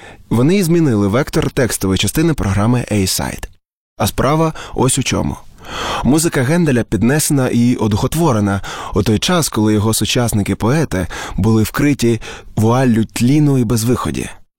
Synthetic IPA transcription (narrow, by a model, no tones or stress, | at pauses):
ʋɔnɪizmʲinɪlˠɪʋɛkt̪ɔrt̪ɛkst̪ɔʋɔjt͡ʃɐst̪ɪnɪpɾʔɔɦɾɑmɪʔɛjsɑ̰jt̪ | ɐspɾʔɑʋɐɔsʲʊt͡ʃɔ̰mʊ̰muzɪkɐɣɛnd̪elʲɐpʲid̪nɛsenɐʔiʔɔd̪ʊxɔt̪ʋɔɾenɐut̪ɔjt͡ʃɑskɔlˠɪjɔɦɔsʊt͡ʃɑsnɪkɪpɔɛt̪ɪbʊlˠɪwkɾɪtʲiʋɔɑlʲːʊt̪ʲlʲinʊibezʋɪxɔ̰dʲḭ